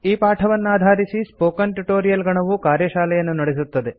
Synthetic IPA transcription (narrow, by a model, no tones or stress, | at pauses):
iːpaːʈʰɐʋɐnːaːd̪ʱaːɾisispoːkɐnʈuʈo̞ːɾijɐlɡɐɳɐʋukaːɾjɐʃaːlɛjɐnːunɐɽes̬ut̪ːɐd̪e